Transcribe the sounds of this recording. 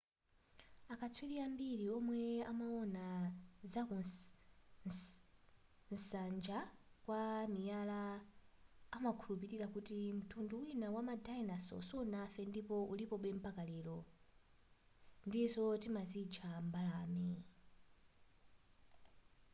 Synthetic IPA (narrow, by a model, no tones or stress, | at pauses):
akʰat͡sʰwiɾiambiɾiɔmwɛa̰maɔnazaku | nsand͡ʒakwamijalaː | makʰulupiɾiɾakutim̩tʰunduwinawamadainasɔ̰sɔnafɛndipɔulipɔɓɛm̩pakalɛɾɔ | ndisɔtimazit͡ʃʰambalaːmi